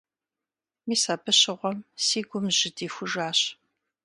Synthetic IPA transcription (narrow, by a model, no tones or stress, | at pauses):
miːsaːbʰɨɕɪʁʷɔmsiːɡʷʊmʑɪdiːfʷʊʒaːɕ